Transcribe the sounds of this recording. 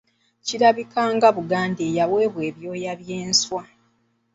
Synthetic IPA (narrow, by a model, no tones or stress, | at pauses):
ciɾaβikʰaːŋɡaβuɡaːndeːjawe̞ːβwe̞ːβjo̞ːjaβje̞ːnswa